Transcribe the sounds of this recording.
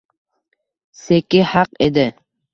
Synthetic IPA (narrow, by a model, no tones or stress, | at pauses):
sekʲɪhɑqed̪ɪ